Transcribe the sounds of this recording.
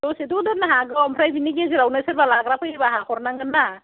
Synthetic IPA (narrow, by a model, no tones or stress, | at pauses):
dɔsidudɔnaɦaɡawampʰɾajbiniɡeziɾawnaseɾbalaɡɾapʰajbaɦakɔɾnaŋɯnːa